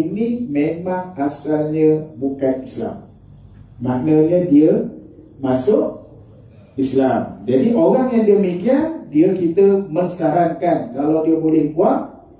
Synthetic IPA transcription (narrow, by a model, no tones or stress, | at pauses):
inimemãŋasalɲəbukanisla̰mː | aʔnəɲədiəmasʊʔ | islamd͡ʒadiʔoɾaŋjaŋdiəmikiandiəkit̪əməŋsaɾaŋkankalawdiəbolɛhbuaʔ